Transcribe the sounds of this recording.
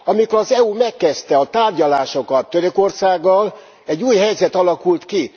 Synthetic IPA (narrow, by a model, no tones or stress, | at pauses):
ɒmikoɒzɛumɛkːɛst̪ɛɒt̪aːrɟɒlaːʃo̞kɒt̪ːøɾøko̞rsaːɡːɒl | ɛɟːuːjɦɛjzɛt̪ɒlɒkult̪ki